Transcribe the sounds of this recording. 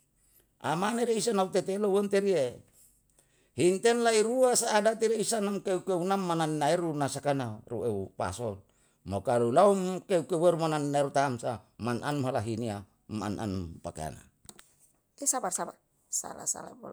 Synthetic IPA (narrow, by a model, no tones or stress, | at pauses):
ʔa̰maneɾeisanaut̪et̪elowont̪eɾie | hint̪ɛnlaiɾuasaːdat̪iɾeisanamkeukeunamːanannaeɾunasakanarueupa̰sɔl | mokalulaumkeukeweɾumanannaeɾut̪amsamanʔanmɦalaɦinia | ma̰nʔa̰npakḛa̰na̰ | esabarsaba | sa̰la̰sa̰la̰bo̰l